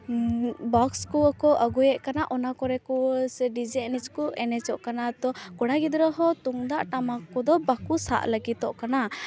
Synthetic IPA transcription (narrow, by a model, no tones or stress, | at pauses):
bɔkskɔakɔʔəɡujɛʔkanaʔɔnakɔɾɛkɔsɛɖid͡ʒɛɛnid͡ʒkɔɛnɛt͡ʃɔʔkanat̪ɔkɔɽaɡid̪ɾɔɦɔt̪uŋd̪aʔʈamakɔd̪ɔbakusa̰ʔləɡit̪ɔʔkana